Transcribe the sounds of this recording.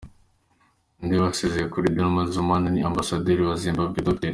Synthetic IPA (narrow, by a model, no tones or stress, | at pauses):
ndiβasezejekuɾidanumazumananiambasad̪eɾiβazimbabɡid̪oke